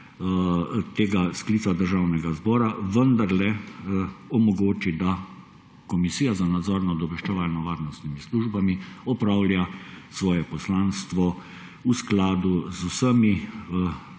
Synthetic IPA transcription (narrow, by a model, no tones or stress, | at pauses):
t̪eːɡaskliːsad̪əɾʒaːwnɛɡazbɔːɾaʋənd̪aɾlɛ | ɔmɔɡoːt͡ʃid̪a | kɔmisiːjazanad̪zɔːɾnad̪ɔʋɛʃt͡ʃɛʋalnɔʋaːɾnɔst̪nimisluːʒbamiɔpɾaːwlʲjasʋɔːjɛpɔslaːnst̪ʋɔ | usklaːd̪uzusəmi